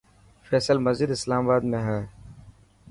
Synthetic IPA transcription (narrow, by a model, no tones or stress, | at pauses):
fɛːsəlməzid̪ɪslaːmabaːd̪mẽɦɛː